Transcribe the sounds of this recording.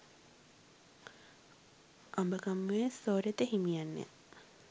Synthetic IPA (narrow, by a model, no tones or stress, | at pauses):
ʔambəkamːuesoːɾet̪əɦimijanːḛ